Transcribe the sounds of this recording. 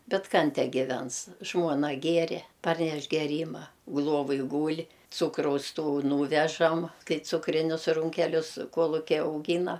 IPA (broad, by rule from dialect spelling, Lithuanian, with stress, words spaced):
ˈbʲɛt ˈkɐn ˈtʲæː ɡʲɪˈʋʲɛns ˈʒmuɔnɐ ˈɡʲiɛrʲɛ ˈpɐrʲnʲɛʃ ɡʲɛˈrʲiːmɐ ˈlˠuɔʋoːj ˈɡuːlʲ ˈt͡suːkrɐʊs ˈtuː ˈnuːʋʲɛʒɐm ˈkɐɪ ˈt͡sʊkrʲɪnʲʊs ˈruːŋʲkʲɛlʲʊs ˈkuɔlˠʊkʲɛɪ ɐʊˈɡʲiːnɐ